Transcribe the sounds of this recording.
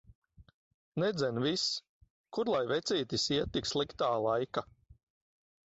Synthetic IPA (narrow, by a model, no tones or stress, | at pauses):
nɛd̪zɛnvis | kuɾlˠajvɛt̪sʲiːt̪isiɛt̪ːikslˠikt̪aːlˠajka